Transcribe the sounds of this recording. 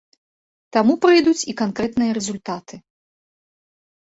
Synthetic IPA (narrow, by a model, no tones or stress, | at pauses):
t̪amupɾɨjd̪ut͡sʲikankɾɛt̪nɨjɐɾɛzulʲt̪at̪ʰɨ